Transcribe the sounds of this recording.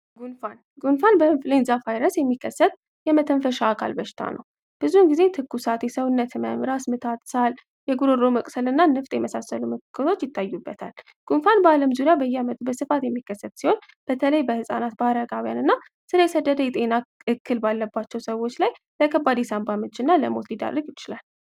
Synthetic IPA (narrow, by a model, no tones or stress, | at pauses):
ɡunfan | ɡunfanbəɨnflenzafajɾəsjɛmːikʰːəsːət̪̚ | jɛmət̪ʰənfəʃaːkʰa̰lbəʃɪ̥t̪ʰa̰nʔə̰w | b̥ɨzunɡize̞t̪ʰɨkːusat̪jɛsəwʊnːət̪məmɾasmɨt̪ʰat̪ʼsal | jɛɡuɾoɾoməkʼsəlɨnːanɨft̪ʼjɛməsasːəlumɨkɨkʰːɨt̪ʰo̞t͡ʃːjɪt̪ːajːubːət̪ʰa̰l | ɡ̥ʼunfanbaləmzuɾijabəjːɛamət̪ʼbəsɨfat̪jɛmːikːəsːət̪ʼsiho̞n | b̥ət̪ʰələjbəhɨsʼa̰nat̪̚baɾəɡawjanɨnːa | sɨɾəjɛsəd̪ːəd̪əjɛt̪ʼe̞naɨkʰːɨlbalːəbːat͡ʃːɛwsəwo̞t͡ʃːlaj | bəkʰəbad̪esambamɨt͡ʃːɨnːaləmo̞t̪lid̪a̰ɾːəɡjɪt͡ʃɪlal